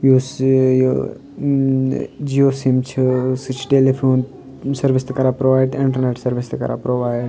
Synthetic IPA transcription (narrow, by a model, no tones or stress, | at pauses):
juːsjo | d͡ʒioːsimt͡ʃʰisit͡ʃʰʈeːlipʰoːn | sɐɾʋist̪ɨkɐɾaːpɾoʋaːɪɖɪ̃ɳʈəɾneʈsɐɾʋist̪ɨkɐ̰ɾa̰pɾoʋaːɪɖ